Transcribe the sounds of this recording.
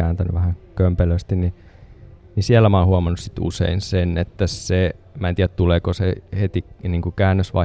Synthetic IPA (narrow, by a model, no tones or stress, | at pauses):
æːnt̪æny̰ʋæhækømpeløst̪inni | nisiælːæmɑːhuɑmɑnːussit̪ṵsḛinsenet̪ːæse | mæːnt̪iææt̪t̪uleːkosehet̪iniːŋkukæːnːøsʋɑ̰